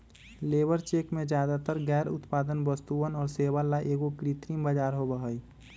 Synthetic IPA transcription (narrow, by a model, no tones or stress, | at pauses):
leːbəɾt͡ʃeːkmẽd͡ʒjaːd̪at̪əɾɡɛːɾʊ̰t̪paːd̪ənbəst̪uənɔːɾseʋalaʔeːɡokɾit̪ɾimbəd͡ʒaːɾɦobəɦəj